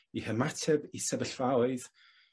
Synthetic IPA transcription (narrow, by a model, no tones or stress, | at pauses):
ihəmatʰɛbisɛbəɬvawɨð